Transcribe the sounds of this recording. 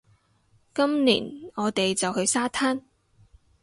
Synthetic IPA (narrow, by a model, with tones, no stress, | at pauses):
kɐ˥mnḭː˨˩nɔː˨˧t̪e˨jt͡sɐ˨whɵ˧ɥsaː˥t̪ʰaː˥n